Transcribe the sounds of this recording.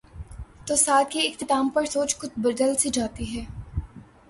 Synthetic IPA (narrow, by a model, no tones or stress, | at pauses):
t̪oːsaːt̪̚kiɪxt̪ɪt̪aːmpɐɾsoːt͡ʃxʊt̪̚bɐɾd̪əlsid͡ʒaːt̪iɦɛː